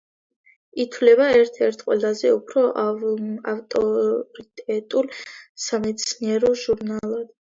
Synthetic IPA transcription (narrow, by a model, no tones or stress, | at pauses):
it̪ʰwlɛbaɛɾt̪ʰɛɾt̪ʰqʼwɛlˠazɛupʰɾɔʔaft̪ʼɔɾit̪ʼɛt̪ʼulsamɛt̪sʰniɛɾɔʒuɾnalˠad̪̥